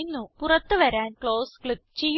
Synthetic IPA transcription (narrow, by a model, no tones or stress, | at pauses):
nːupurɐt̪ːɨʋɐɾaːnkɭo̞ːskɭip̚t͡ɕe̞jː